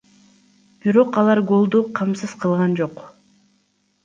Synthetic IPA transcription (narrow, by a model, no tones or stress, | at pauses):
b̥iɾo̞qɑlˠɑɾɡo̞lˠd̪uqʰɑmsɯz̥qʰɯlˠʁɑnd͡ʒo̞q